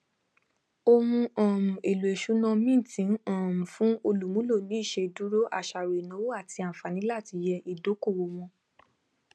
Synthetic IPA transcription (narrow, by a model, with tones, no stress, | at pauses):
o˧hũ˧ɔ̃ː˨ɾũ˨ʔe˨lu˨e˨ʃu˨˦nã˧mĩ˦˨tĩ˨˦n˦ãː˨mũ˨fũ˨˦o˧lu˨˦mũ˦lo˦˨nĩ˨˦i˦˨ʃe˧du˦ɾo˦ʔa̰˦˨ʃa˨ɾe˨nã˨˦wo˦a˦˨ti˧a˨fa˨nĩ˨˦la˦˨ti˧jɛ˧ʔi˨do˨˦ko˦˨wo˧w̃ɔ̃˧